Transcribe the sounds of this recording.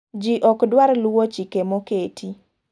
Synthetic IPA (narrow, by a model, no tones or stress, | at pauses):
d͡ʒiʔɔkdwarlwot͡ʃikemoketʰi